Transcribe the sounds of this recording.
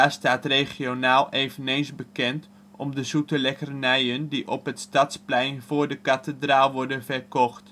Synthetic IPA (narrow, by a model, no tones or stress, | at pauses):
astaːtrejχionaːlˠejvənejnzbəkɛnt | ɔmdəsutəlɛkərənɛjəndiʔɔpɦətstɑtsplɛjnvʊːɹdəkatədraːlˠʋɔɹdənvərkɔxt